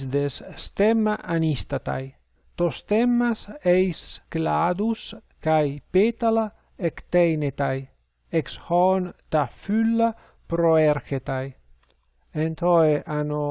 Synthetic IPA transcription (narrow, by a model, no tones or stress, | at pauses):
sd̪esst̪emːaʔanist̪at̪a̰j | t̪ost̪emːasejsklad̪uskajpet̪ala | ekt̪ejnet̪aj | ekshɔnt̪afylːa | pɾoeɾxet̪aj | ent̪oeʔano